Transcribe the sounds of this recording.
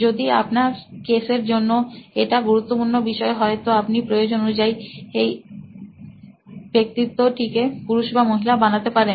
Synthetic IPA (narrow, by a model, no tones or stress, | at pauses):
d͡ʑod̪ia̰pnaɾkeseɾd͡ʑonːoeʈaɡuɾut̪ːopuɾnobiʃɔeɦɔet̪oapnipɾojod͡ʑononud͡ʑajej | bek̚t̪it̪ːoʈikepuɾuʃbamoɦilabanat̪epaɾen